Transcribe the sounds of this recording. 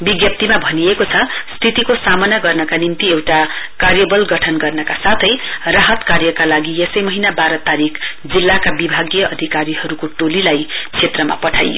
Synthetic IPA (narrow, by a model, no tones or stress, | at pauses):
biɡjʌp̚t̪imabʱʌniekot͡sʰʌst̪ʰit̪ikosamʌnaɡʌrnʌkanimt̪iewʈa | karjʌbʌlɡʌʈʰʌnɡʌrnʌkasat̪ʰʌjraɦʌt̪karjʌkalaɡiesʌjmʌɦinabaɾʌt̪aɾik | d͡zilːakabibʱaɡjʌʔʌd̪ʱikaɾiɦʌɾukoʈolilajt͡sʰet̪rʌma̰pʌʈʰa̰jo